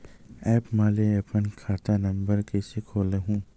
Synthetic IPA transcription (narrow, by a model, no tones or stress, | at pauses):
ɛːpmaːleɐpənkʰaːt̪anɐ̃mbəɾkeːsekʰoːleɦũː